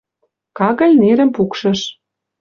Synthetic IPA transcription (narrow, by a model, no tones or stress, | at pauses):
kɑɣə̆lʲneɾə̆mpukʃɤ̆ʃ